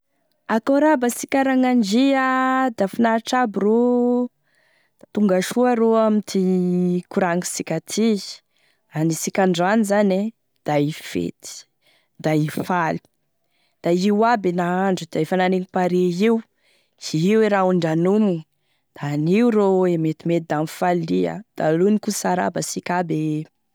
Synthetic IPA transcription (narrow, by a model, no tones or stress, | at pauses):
akoɾabasikʲaɾaŋand͡ʒiad̪afinaʈ͡ʂabiro | t̪uŋɡaʃuaɾoamit̪ikuɾaŋi̥sikʲat̪ʰi | anisikʲaɳɖ͡ʐanizane | d̪̥aifḛt̪i̥ | d̪̥aifalu̥ | d̪̥aiwabenaaɳɖ͡ʐud̪̥aefananeŋipaɾeiw | iiweɾauɳɖ͡ʐanumi | d̪̥aniuɾoemet̪imet̪̚d̪amfaliə̰d̪̥alunikusaɾa̰basikʲabe